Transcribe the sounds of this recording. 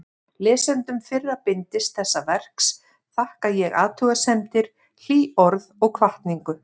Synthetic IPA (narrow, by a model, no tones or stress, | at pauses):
lɛːsɛnt̪ʏmfɪrːapɪnt̪ɪst̪θɛsːavɛr̥ks | θahkajɛɣa̰ːðt̪ʰuːɣasɛmt̪ɪɾ̥ | l̥iːɔɾðɔɣkʰvaht̪niŋkʏ